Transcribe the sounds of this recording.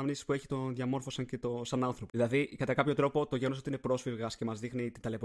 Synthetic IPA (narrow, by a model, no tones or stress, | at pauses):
ɐmnisi̥spueçi̥t̪o̞ðʝɐmo̞ɾfo̞sɐɲce̞t̪o̞sɐnɐnθɾopoðilɐðikɐt̪ɐkɐpço̞t̪ɾo̞po̞t̪oʝenosot̪inepɾo̞sfiɾɣɐsce̞mɐzðixnit̪id̪ɐle̞p